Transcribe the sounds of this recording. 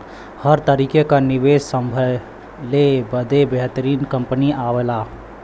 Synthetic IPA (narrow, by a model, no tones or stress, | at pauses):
həɾt̪əɾiːkekanɪʋeːssəmbʱə | lebəd̪ʱebeɦt̪əɾiːnkə̃mpəniʔaːʋelaː